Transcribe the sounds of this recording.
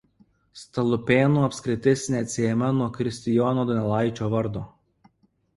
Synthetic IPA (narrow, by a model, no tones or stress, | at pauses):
st̪ɐlˠʊpʲeːnuːɐpʲsʲkɾʲɪt̪ʲɪsʲnʲɛɐt̪ʲsʲɪɛmʲɐnuɔkɾʲɪsʲt̪ʲɪjɔːnoːd̪ɔnʲɛlˠɑˑɪt͡ʃʲoːʋɐɾd̪oː